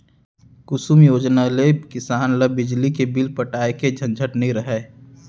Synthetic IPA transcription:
kʊsumjoːd͡ʒnalekɪsaːnləbɪd͡ʒlikebɪlpəʈaːeked͡ʒʱə̃nd͡ʒʱəʈnəĩɾəɦɛː

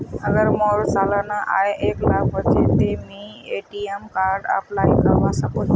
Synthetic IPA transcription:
əɡəɾmoːɾsaːlanaʔa̰ːeʔeːklaːk̚ʋət͡ʃet̪emĩ | eːʈiemkaːɾɖə̰plaːikəʋãsãko

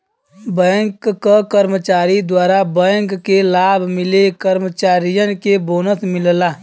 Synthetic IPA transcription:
bə̃ŋkːakəɾmət͡ʃaːɾid̪waːɾabəŋkːelaːbʱmɪlekəɾmət͡ʃaːɾijənkeboːnəsmɪllaː

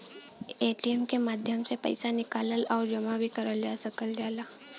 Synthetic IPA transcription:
eːʈiɛmkemaːd̪ʱjəmsepə̰ɪsanɪkaːləlɔːɾd͡ʒɐmabʱikəɾəld͡ʒaːsəkəld͡ʒaːlaː

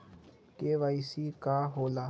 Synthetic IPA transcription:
keʋaisikaɦoːlaː

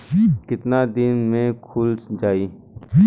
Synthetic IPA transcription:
kɪt̪naːd̪ɪnmẽːkʰʊlsd͡ʒaːiː

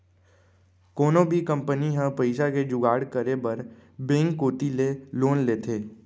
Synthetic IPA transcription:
koːnobʱikɐ̃mpəniɦə̃pəɪsaked͡ʒʊɡaːɽkəɾebɐɾbẽːŋkːoːt̪ileloːnleːt̪ʰeː

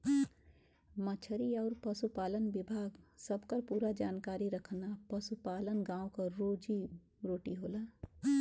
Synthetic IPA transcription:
mət͡ʃʰəɾiɔːɾpəsupaːlənbɪbʱaːɡsəbkəɾpuːɾad͡ʒaːnkaːɾiɾəkʰnapəsupaːlənɡãːokaɾoːd͡ʒi | ɾoːʈiɦoːlaː

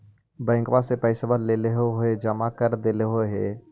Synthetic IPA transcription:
bɛ̃ːŋkbasepəɪsbəɾleleɦoɦoed͡ʒəmakəɾd̪eleɦoɦe

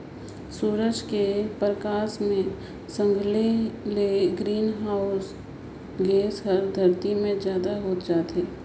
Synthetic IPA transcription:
suːɾəd͡ʒkepɾəkaːsmẽ | sə̃ŋɡʱleleɡɾiːnɦaːʊs | ɡeːsɦəɾd̪ʱɐɾt̪imẽzjaːd̪aɦoːt̪d͡ʒaːt̪ɦeː

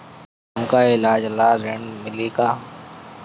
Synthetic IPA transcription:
əmkaːɪlaːd͡ʒəlaːɾeɳmɪleːkaː

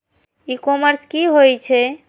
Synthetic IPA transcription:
ikɔməɾskiɦojt͡ʃʰɛ

